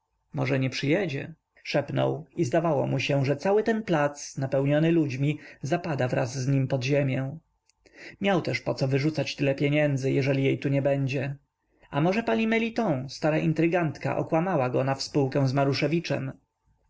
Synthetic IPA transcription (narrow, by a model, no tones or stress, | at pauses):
mɔʐɛɲɛpʂɘjɛd͡ʑɛ̰ | ʂɛpnɔ̰wizd̪avawɔ̰muɕɛ̃ʐɛt̪sawɘt̪ɛnplat̪snapɛwɲɔnɘlud͡ʑmʲizapad̪avɾa̰zːɲimpɔd̪ʑemʲjɛ̃ | mʲjawt̪ɛʂpɔt̪sɔvɘʐut̪sat͡ɕt̪ɘlɛpʲjɛɲɛnd̪zɘjɛʐɛlʲijejt̪uɲɛbɛɲd͡ʑɛ | amɔʐɛpaɲimɛlʲit̪ɔ̃w̃st̪aɾaʔint̪ɾɘɡant̪ka̰ʔɔ̰kwamawaɡɔnafspuwkɛ̃w̃zmaɾuʂɛvʲit͡ʂɛ̰m